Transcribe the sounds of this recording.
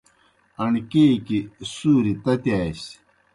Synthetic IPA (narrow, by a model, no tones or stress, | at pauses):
ɐɳkeːkisuːɾit̪ɐt̪jaːɕ